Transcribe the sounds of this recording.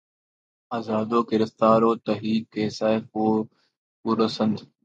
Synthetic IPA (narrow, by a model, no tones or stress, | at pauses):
aːzaːd̪oːkɪɾɪft̪aːɾoːt̪əɦiːkːeːsaːefoː | ʊɾəsənd̪